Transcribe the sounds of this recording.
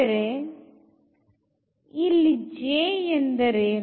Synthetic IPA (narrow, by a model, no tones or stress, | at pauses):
ɾe | ɪlid͡ʒeːɛnd̪ɐɾe